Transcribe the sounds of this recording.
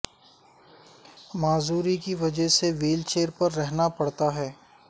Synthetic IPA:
maːzuːɾikiʋɐd͡ʒəɦseʋiːlt͡ʃeːəɾpɐɾːɛɦnapɐɽt̪aɦɛː

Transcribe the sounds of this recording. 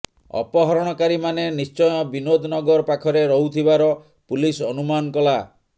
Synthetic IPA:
ɔ̰pɔɦɔɾɔɽ̃ɔkaɾimanenist͡ʃɔjɔbinod̪ʱnɔɡɔɾɔpakʰɔɾeɾɔɦut̪ʰibaɾɔ | pulisɔnumankɔla

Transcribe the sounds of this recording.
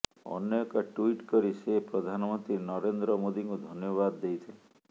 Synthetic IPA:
ɔ̰njɔɔkɔʈuiʈkɔɾisepɾɔd̪ʱanɔmɔnt̪ɾinɔɾend̪ɾɔmod̪iŋkud̪ʱɔnjɔβad̪ːejt̪ʰile

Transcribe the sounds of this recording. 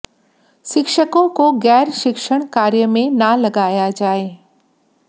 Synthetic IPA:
ʃɪkʃəkõkoɣɛːɾʃɪkʃəɽ̃kaːɾjəmẽnalɐɡaːjad͡ʑaːeː

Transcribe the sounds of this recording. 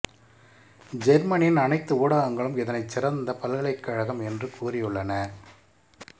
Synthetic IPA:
d͡ʒɛɾmɐnɪnɐnɐɪt̪ːɯuːɽaːɣɐŋɡɐɭɯmɛðɐnɐɪt͡ʃːɪɾɐnd̪ɐpɐlɣɐɭɐɪkːɐɻɐɣɐmɛndrɯkʰuːrɪjɯɭːɐnɐ

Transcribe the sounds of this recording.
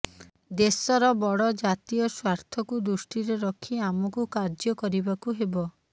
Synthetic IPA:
d̪esɔɾɔbɔɽɔd͡ʒat̪ijɔswaɾt̪ʰɔkud̪usʈiɾeɾɔkʰiamɔkukaɾd͡ʒɔkɔɾibakuɦebɔ

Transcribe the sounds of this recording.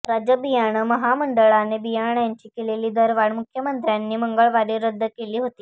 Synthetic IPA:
ɾad͡ʑəbijaɽ̃əməɦaməɳɖəɭanebijaɳjaɲt͡ɕiːkeleliːd̪əɾʋaɳmukʰjəmənt̪ɾjanːiːməŋɡəɭʋaɽeɾəd̪ʱːəkeliːɦot̪iː

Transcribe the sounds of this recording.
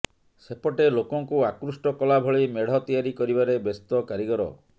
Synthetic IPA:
sepɔʈelokɔŋkuakɾusʈɔkɔlabʱɔɭimeɽ̤ɔt̪ijaɾikɔɾibaɾebest̪ɔkaɾiɡɔɾɔ̰

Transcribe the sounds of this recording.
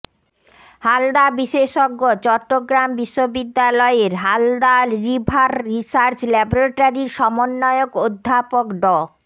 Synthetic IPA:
hald̪abiʃeʃoɡːot͡ɕɔʈːoɡɾambiʃːobid̪ːalɔeɾɦald̪aɾibʱaɾɾisaɾt͡ɕlɛboɾeʈaɾiɾʃɔmonːɔeokod̪ʱːapokɖɔ

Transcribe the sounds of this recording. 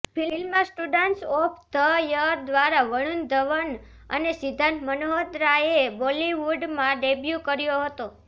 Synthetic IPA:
pilmãsʈuɖənʈsopʰt̪ʰəjəɾd̪ʋaɾaʋəɽ̃und̪ʱəʋən | ə̰nesid̪ʱanmənoɦod̪ɾaebɔliʋuɖmãɖebjukəɾjoɦət̪o

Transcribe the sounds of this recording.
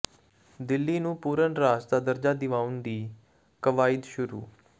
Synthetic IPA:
d̪ɪlːiːnũːpuːɾənɾaːsd̪aːd̪əɾd͡ʒaːd̪ɪʋaːʊnd̪iː | kəʋaːɪd̪ʃʊɾṵː

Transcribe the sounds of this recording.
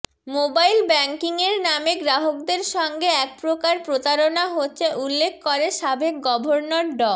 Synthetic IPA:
mobajlbɛŋkiŋeɾnameɡɾaɦok̚d̪eɾʃɔŋɡeɛk̚pɾokaɾpɾot̪aɾonaɦotːɕʰeʔulːekʰːkoɾeʃabʱek̚ɡɔbʱoɾnoɾɖɔ

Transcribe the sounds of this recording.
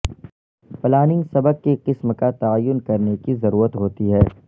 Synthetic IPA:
plaːnɪ̃ŋsɐbək̚keqɪsmkat̪aːjːʊnkɐɾnekizɐɾuːɾət̪ɦoːt̪iɦɛː

